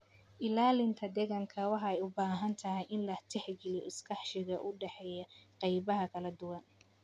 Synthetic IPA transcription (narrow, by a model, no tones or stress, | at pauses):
ʔɪlaːlɪnt̪ʰɐd̪ɛɣɐŋkʰɐwɑħɑɛjʊbaːɦɐnt̪ʰɐɦɛjʔɪnlɐt̪ʰɛħɡɪljɔʔɪskʰɑħʃɪɣɐʔʊɖɛħɛjɐqɑjbɐɦɐkʰɐlɐd̪ʊwɐn